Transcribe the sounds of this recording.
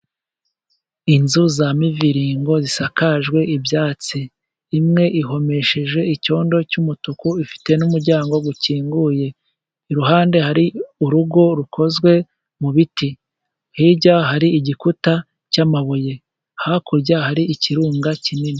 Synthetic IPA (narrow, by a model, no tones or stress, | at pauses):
inzuzamiviɾiːŋɡo̞zisakaʒɡwe̞ibjaːt͡siː | mŋe̞ʔiɦo̞me̞ʃe̞ʒwe̞ico̞ːndo̞cumutukuifi̥te̞numuɾɟaːŋɡo̞ɡuciːŋɡuːje̞ | ɾuɦaːnde̞haɾiuɾuɡo̞ɾukʰo̞zɡwe̞ | muβiti | hiɟaɦaɾiiɟikuta | camaβoje | hakuɾɟahaɾiʔiciɾuːŋɡacinini